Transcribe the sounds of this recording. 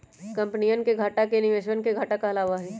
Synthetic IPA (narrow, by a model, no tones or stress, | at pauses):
kɐ̃mpnijənkeɡʱaːʈakenɪʋeːʃ̬wənkeɡʱaːʈakaɐlaːʋaɦɛː